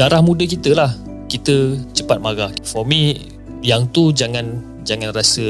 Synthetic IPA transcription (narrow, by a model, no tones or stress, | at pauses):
daɾahmũdəkit̪əlah | kit̪ət͡ʃəpat̪̚maɡahfɔmĩ | jaŋt̪ud͡ʒaŋãn | d͡ʒaŋãnrasə